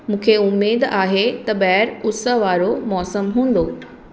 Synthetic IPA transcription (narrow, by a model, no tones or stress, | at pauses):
mũːkʰeʊmːeːd̪aːɦet̪ɐɓɐɦɾʊsəɦʋaːɾomɔːsəmɦũːn̆d̪o